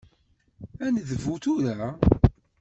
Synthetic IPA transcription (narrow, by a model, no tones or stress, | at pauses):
ænðəvuθuɾa